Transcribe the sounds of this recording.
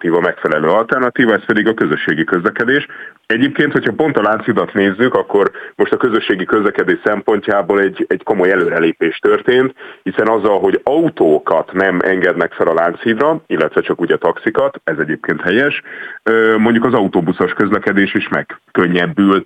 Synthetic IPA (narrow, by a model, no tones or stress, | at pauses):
t̪iːvɒmɛkfɛlɛløːɒlt̪ɛrnɒt̪iːvɒɛspɛd̪iɡɒkø̞zøʃːeːɡikø̞zlɛkɛd̪eːʃ | ɛɟeːp̚keːnt̪ho̞chɒpo̞n̪t̪ɒlaːnt̪siːd̪ɒt̪neːzːykɒkːo̞rmo̞ʃt̪ɒkø̞zø̞ʃːeːɡikøzlɛkɛd̪eːʃsɛmpo̞ɲcaːboːlɛɟɛɟko̞mo̞jɛløːɾɛleːpeːʃt̪ørt̪eːnt̪hisɛnɒzːɒlɦo̞ɟɒut̪oːkɒt̪nɛmʔɛ̰ŋɡɛd̪nɛkfɛlɒlaːnt̪siːd̪rɒilːɛt̪ʋɛt͡ʃɒkuːɟɒt̪ɒksikɒt̪ɛzɛɟeːp̚keːnt̪hɛjɛʃømo̞ɲɟukɒzɒut̪oːbusoʃkø̞zlɛkɛd̪eːʃiːʃmɛ̰kːøɲːɛbːyl